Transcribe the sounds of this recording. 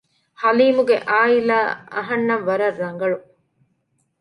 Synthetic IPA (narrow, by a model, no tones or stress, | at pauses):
hɐliːmuɡeʔaːilaːɐ̰ɦɐnːɐʋʋɐɾɐrːɐŋɡɐɭu